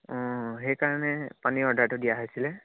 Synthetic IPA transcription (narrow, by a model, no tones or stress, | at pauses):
ɔ̃ɦejkaɹanɛpaniɔdʱaɹtʊdijaɦojsilɛ